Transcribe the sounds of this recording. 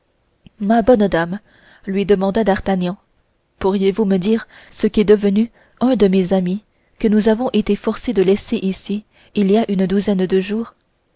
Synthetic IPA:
mabɔnd̪am | lɥid̪əmɑ̃d̪ad̪aʁt̪anjɑ̃ | puʁjevuməd̪iːʁsəkʲiɛd̪əvəny | œ̃d̪əmezami | kənuzavɔ̃ʔet̪efɔʁsed̪əlɛseʔisiː | liaʔynd̪uzɛnd̪əʒuːʁ

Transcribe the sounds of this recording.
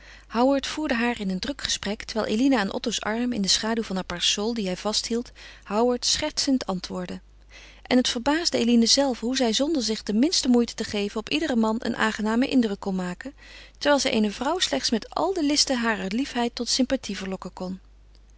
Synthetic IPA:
hɑwəɹtfuːɹdəɦaːɹɪnəndrɵkχə̥sprɛktəɹʋɛjlˠʔḛjlinəːnʔɔ̰towsɑ̰ɹmɪ̰ndəsχaːduwvɑnaːpɛɹsɔlˠdiɦɛjv̥ɑstɦilˠthɑwəɹtsχɛɹtsəntʰɑntʋʊːɹdə | ʔɛnɦətfəɹbaːzdəḛjlinəzɛlˠfɦuzɛjzɔndəɹzɪχdəmɪnstəmujtə̥təχejvənɔpidərəmɑnʔə̰nʔa̰ːŋχənaːməʔɪndrɵkːɔnmaːkə | təɹʋɛːlˠzɛjʔḛjnəvrʌwslɛχtsmɛtɑ̰lˠdəlɪstəɦaːrəɹlifɦɛjtɔtsɪmpatʰivəɹlɔkəkɔn

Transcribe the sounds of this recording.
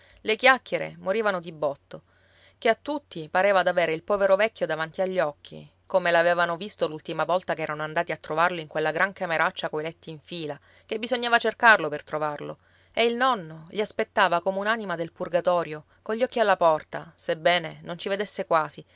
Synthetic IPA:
lekjakːeɾḛmoɾiːvanod̪ibɔt̪ːo | keat̪ːut̪ːipaɾeːvad̪aveːɾeilpɔːveɾovɛkʲːjod̪avant̪iaʎːɔkʰːḭ | komelaveːvanovist̪olult̪imavɔlt̪akɛːɾanoand̪aːt̪iat̪ːɾovarleiŋkwelːaɡɾaŋkameɾat͡ʃːakoilɛt̪ːiːɱfiːla | kebːizoɲːaːvat͡ʃerkarlopert̪ɾovarlo̰ | eilnɔnːoʎiaspet̪ːaːvakomeunanimad̪elpurɡat̪ɔːɾjo | koʎːɔkːialːapɔrt̪asebːɛːnenont͡ʃived̪esːekwaːzi

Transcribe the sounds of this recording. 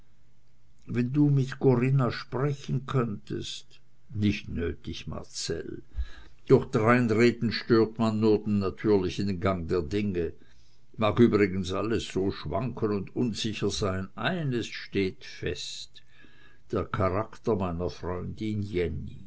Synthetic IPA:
vɛnduːmɪtkoʁɪnaʃpʁɛçənkʰœntə̰st | nɪçtnøːtɪçma̰ʁt͡sɛ̰l | d̥ɔχd̥ʁaɪnʁeːtn̩ʃtøːɐtmanːuːɐdenːatʰyːɐlɪçndenɡaŋdeːɐdɪŋə | maːkyːbʁɪɡənsaləsːoːʃva̰ŋkʰənʊndʊnz̥ɪçɐz̥aɪnaɪnəsʃteːtfɛ̰st | d̥eːɐkʰaʁaktɐmaɪnɐfʁɔʏndɪnjɛni

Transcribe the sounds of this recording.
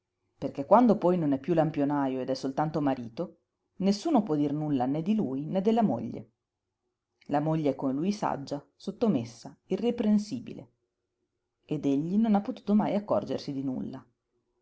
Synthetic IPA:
perk̟ekːwand̪opɔjnonɛpːjulampjonaːjoed̪ɛsːolt̪ant̪omaɾiːt̪o | nesːuːnopwɔd̪ːirnulːaned̪ːilujned̪ːelːamo̰ʎːḛ | lamoʎːeɛkːomelujsa̰d͡ʒːa | sot̪ːomesːairːepɾensiːbḭlḛ | ed̪eʎːinonapːot̪u̥ːt̪omajakːɔrd͡ʒersid̪inṵlːa

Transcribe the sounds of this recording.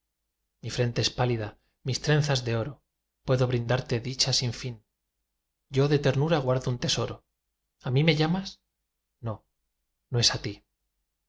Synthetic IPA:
mifɾe̞nt̪e̞espaliða | mist̪ɾẽ̞nθazðeo̞ɾo̞ | pwe̞ðo̞βɾind̪aɾt̪e̞ðit͡ʃasiɱfin | ɟ͡ʝo̞ðe̞t̪e̞ɾnuɾaɣwaɾðount̪e̞so̞ɾo̞ | amĩme̞ʝamas | no̞ | noe̞sat̪i

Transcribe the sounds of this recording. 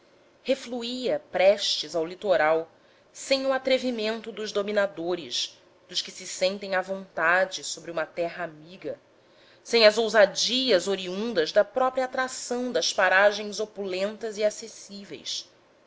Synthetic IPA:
hefluiɐpɾɛʃt͡ʃɪzawlit̪oɾaw | sẽj̃ʊat̪ɾevimẽnt̪ʊd̪ʊʒd̪ominad̪oɾɪʃ | d̪̥ʊʃkɪsɪsẽnt̪ẽj̃avõnt̪ad͡ʒɪsobɾɪũmɐt̪ɛɦɐamiɡɐ | sẽj̃ɐzowzad͡ʒiɐzoɾiũnd̪ɐzd̪ɐpɾɔpɾiɐat̪ɾasɐ̃w̃d̪ɐspaɾaʒẽj̃zopulẽnt̪ɐziasesivḛjs

